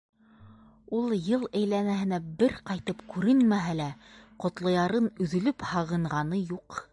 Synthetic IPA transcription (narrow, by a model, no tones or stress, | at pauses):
ulˠjɤlˠæjlænæhɘ̆næbɘɾqɑjt̪ɤpkʉɾɘnmæɦælæqŏt̪lˠɤ̆jɑɾɤnɵ̆ðɵ̆lɵphɑʁɤ̆ɴʁɑnɤjuq